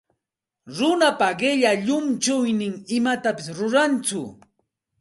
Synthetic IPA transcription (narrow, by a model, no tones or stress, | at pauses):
ɾʊnapaɢɪʎaʎʊmt͡ʃʊjnɪŋɪmat̪apɪsɾʊɾant͡sʊ